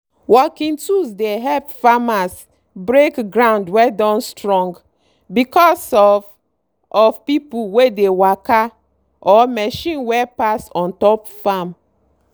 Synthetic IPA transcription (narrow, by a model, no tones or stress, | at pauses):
wɔkĩntusdeɦɛlpfamas | bɹekɡɾãʊ̃ndwɛdɔ̃nstɹɔ̃ŋɡ | bikɔsɔv | ɔfpipuwedewaka | ʔɔmɛʃĩnwɛpasɔ̃ntɔpfam